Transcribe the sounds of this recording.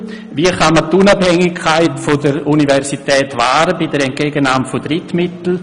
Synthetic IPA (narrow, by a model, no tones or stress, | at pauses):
viəχamətunabhɛŋɪkʰːaɪtfodəɾunivɛɾsitɛːtvaːɾəbidəɾɛnt̚ɡ̥eːɡənaːmfod̥ɾɪtmɪtl̩